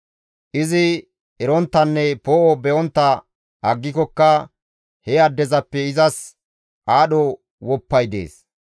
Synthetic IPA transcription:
ʔɪzɪ | ɛɾɔnt̪ːɐnːɛpoːʔɔbɛʔɔnt̪ːɐ | ʔɐɡːɪkɔkːɐ | hɛɐd̪ːɛzɐpːɛɪzɐs | ʔaːɗɔ | wɔpːɐjd̪ḛːs

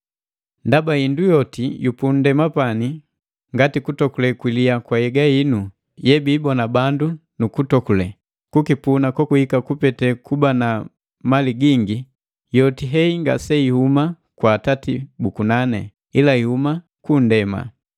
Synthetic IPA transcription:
ndabaindujɔtijupun̩dɛmapani | ŋɡatikutɔkulɛkwiliakwajɛɡainu | jɛbiːbɔnabandunukutɔkulɛ | kukipunakɔkuhikakupɛtɛkubana | maliɡiŋɡi | jɔtiɦɛiŋɡa̰sɛihuma | kwaːtatibukunanɛ̰ | ilaihuma | kun̩dɛma̰

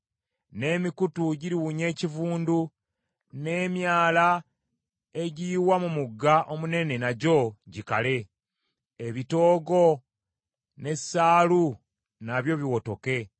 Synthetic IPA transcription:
ne̞mikutuɟiɾiwuɲe̞ːcivuːndu | ne̞ːmjaːla | e̞ɟiːwamumuɡːaʔo̞mune̞ne̞naɟo̞ɟika̰le̞ː | βito̞ːɡo̞ | ne̞sːaːlu | naβjo̞βiwo̞to̞ke̞

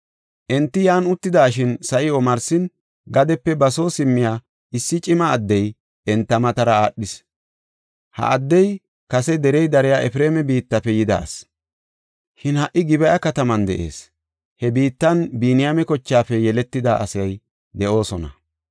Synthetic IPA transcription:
ʔɛnt̪ːɪjaːnʊt̪ːɪd̪aːʃɪnsɐʔɪɔmɐɾsɪn | ɡɐd̪ɛpːɛbɐso̞ːsɪmːɪjaː | ɪsːɪt͡ʃʼɪmɐːd̪ːɛj | ɛnt̪ːɐmɐt̪ɐɾɐaːɗːɪs | hɐ̰ʔɐd̪ːɛj | kɐsɛd̪ɛɾɛjd̪ɐɾɛjaːʔɛfɾeːmɛbiːt̪ːɐpːɛjɪd̪a̰ːs | ʃɪnhɐʔːɪɡɪbɛjɐkɐt̪ɐmɐnd̪ɛ̰ʔe̞̰ːs | hɛbiːt̪ːɐnbiːnɪjamɛkɔt͡ʃːaːfɛjɛlɛt̪ːɪd̪aʔɐsɐj | d̪ɛʔo̞ːsɔnɐ̰

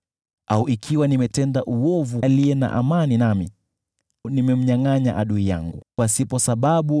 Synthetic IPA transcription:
auʔikʰiwanimɛtɛndaʔuɔvuliɛna̰ʔamaninamḭ | nimɛm̩ɲaŋaɲaʔaɗuija̰ŋɡukwasipɔsaɓaɓu

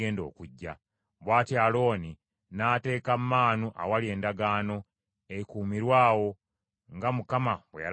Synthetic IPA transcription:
eːndo̞̰ːkuɟːa | βwaːtialo̞ːni | naːte̞ːkammaːnuʔa̰walie̞ːndaɡaːno̞ | eikuːmiɾwaːwo̞ | ŋɡamukamaβwḛja̰

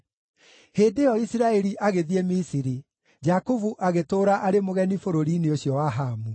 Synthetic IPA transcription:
heːdejɔisiɾaɛɾiʔaɣeðiemisiɾi | d͡ʒakovuʔaɣetoːɾaʔaɾemoɣɛnifoɾoɾiːneoɕjɔwaɦaːmu

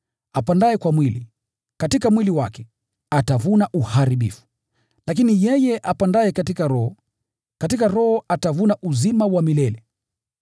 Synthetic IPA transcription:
apandaɛkwamwili | katikamwiliwa̰kɛ̥ | atavunaʔuhaɾiɓḭfu̥ | lak̬inijɛjɛʔapandaɛkatikaɾɔhɔ | katikaɾɔhɔʔatavunaʔuzimawamilɛlɛ

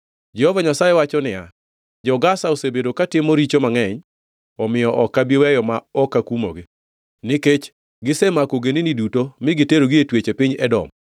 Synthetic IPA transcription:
d͡ʒɛhovaɲasajɛwat͡ʃɔnɪja | d͡ʒɔɡasaosebedokatɪmoɾit͡ʃomaŋɛɲ | ɔmɪjɔʔɔkːabiwɛjɔmaɔkːakumo̰ɡe | nɪket͡ʃ | ɡɪsemakoɡeninidutomɪɡɪteɾoɡɪetwet͡ʃepɪɲɛdɔ̰m

